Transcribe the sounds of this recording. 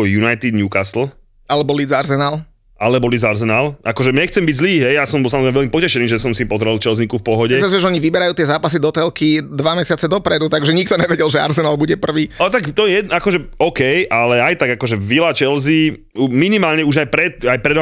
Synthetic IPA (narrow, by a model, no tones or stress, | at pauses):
ɔjunajt̪id̪nɲuːkasl̩ | alɛbɔlid͡zaɾzɛnal | ʔalɛbɔlid͡zaɾzɛnalʔakɔʒɛɲɛxt͡sɛmbiɟzliːɦɛjjasɔmbɔlˠsamɔzɾɛɪmɛʋɛlmipɔcɛʃɛniːʒɛsɔmsipɔzɾɛlt͡ʃɛlzikufpɔɦɔɟɛsazɛʒɛɔɲiʋibɛɾajuːt̪ɪɛzaːpas̬id̪ɔt̪ɛlkid̪ʋamɛsɪat͡sɛd̪ɔpɾɛd̪ut̪aɡʒɛɲik̚t̪ɔɲɛʋɛɟɛlʒɛa̰ɾzɛnalbuɟɛpr̩ʋiːɔt̪akt̪ɔjɛɛakɔʒɛɔkɛjʔalɛajt̪aɡakɔʒɛʋilat͡ʃɛlzi | minimaːlɲɛuʒajpɾɛt̪̚ajpɾɛd̪ʋa